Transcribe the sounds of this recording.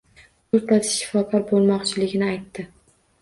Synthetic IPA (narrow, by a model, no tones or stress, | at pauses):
ʊt̪lasɪ̥ʃɪ̥fɒkʰɒɾbolˠmɒqt͡ʃʰɪlɪɡʲɪnɪajt̪ːɪ